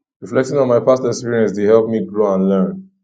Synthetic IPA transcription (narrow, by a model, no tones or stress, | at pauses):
ɹiflɛk̚tĩŋɔ̃nmaɪpastɛkspiɹiɛ̃nsdehɛlˠpmiɡɹoãnlɜ̃˞n